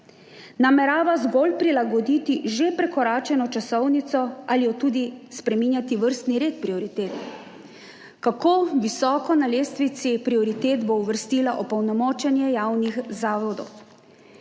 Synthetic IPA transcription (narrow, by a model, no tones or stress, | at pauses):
namɛɾaːʋazɡolpɾilaɡɔd̪it̪iʒepɾɛkɔɾaːt͡ʃɛnɔt͡ʃasɔwnit̪sɔʔaliɔt̪uːd̪ispɾɛmiːnjat̪iʋəɾst̪niɾeːt̪pɾiɔɾit̪eːt̪ | kakoʋisɔːkɔnaleːst̪ʋisipɾiɔɾit̪eːt̪bouʋəɾst̪iːlaʔɔpɔwnɔmɔːt͡ʃɛnjɛjaːwnixzaːʋɔd̪ɔw